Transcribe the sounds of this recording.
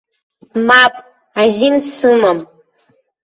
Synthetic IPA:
maːpʼ | aʒinsɨmɐm

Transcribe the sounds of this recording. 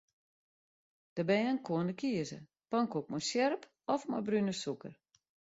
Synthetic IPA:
d̥əbɛjənkʰoəndəkiəzə̰ | pɔŋkok̚mɔjsjɛrp | ɔfmɔ̰jbrynəsukə̰r

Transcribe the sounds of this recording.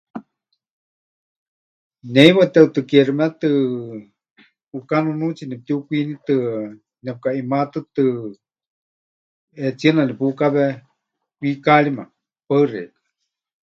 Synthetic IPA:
nɛjβat̪ɛt̪ɨkɛrimɛt̪ɨ | ukanunut͡sinɛp̚t̪iukʷinit̪ɨ | nɛp̚kaimat̪ɨt̪ɨ | ɛt͡siənanipukaβɛ | wikaɺima | pəɨrɛ̰k

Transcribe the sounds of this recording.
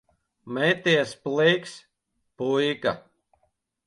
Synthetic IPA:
mɛjt̪iɛsplˠɛjks | pujka̰

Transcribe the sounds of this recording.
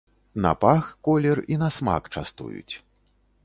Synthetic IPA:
nɐ̰paxkɔlʲɛrinɐsma̰kt͡ʂa̰st̪ṵjṵt͡sʲ

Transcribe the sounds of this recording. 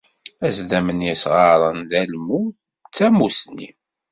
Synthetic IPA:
æzd̪æmənjæsʁɑɾˤənðælmu | t͡sːæmusni

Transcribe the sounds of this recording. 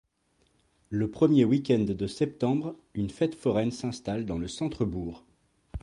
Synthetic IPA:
ləpχəmjewikʲɛ̃nd̪ːəsɛp̚t̪ɑ̃bʁynfɛt̪fɔʁɛnsɛ̃st̪ald̪ɑ̃ləsɑ̃t̪χəbuːʁ

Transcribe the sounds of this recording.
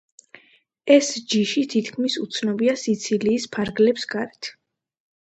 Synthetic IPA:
ɛsd͡ʒiʃit̪ʰit̪ʰkʰmisut̪sʰnɔbiasit̪sʰiliːspʰaɾɡlɛpsɡaɾɛt̪ʰ

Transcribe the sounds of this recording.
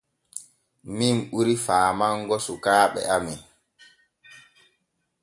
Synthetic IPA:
minɓuɾifaːmaŋɡɔsukaːɓɛ̰amin

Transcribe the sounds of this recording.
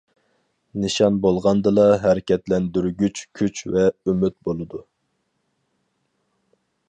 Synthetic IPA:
nɨʃɑnbolˠʁɑnd̪ɨlˠɑɦɛɾɪkʲʰɛt̪lɛnd̪yɾɡʲyt͡ʃkʲʰyt͡ʃvɛymyt̪̚bolˠɨd̪u

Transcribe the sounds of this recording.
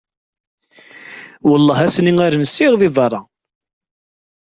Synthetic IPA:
wəlˤːɑɦæsniŋaɾnsiʁðiðˤɑrˤːɑ

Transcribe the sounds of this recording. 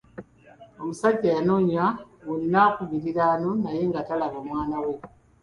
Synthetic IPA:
omusaɟːajanoɲawunːakuβiɾiɾanonajeŋɡatalaβamwaːnawe

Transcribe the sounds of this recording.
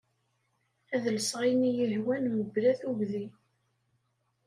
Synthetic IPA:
æðəlsʁinijihwænməblæθuʝði

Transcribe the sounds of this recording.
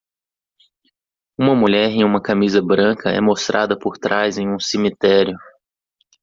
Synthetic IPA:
ũmɐmuʎɛɾẽj̃ũmɐkamizɐbɾɐ̃kɐɛ̰most̪ɾʔa̰d̪ɐpoɾt̪ɾajzẽj̃ũsemit̪ɛɾjʊ

